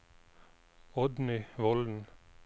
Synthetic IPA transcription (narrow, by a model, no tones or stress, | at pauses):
ɔd̪nʏʋɔld̪n̩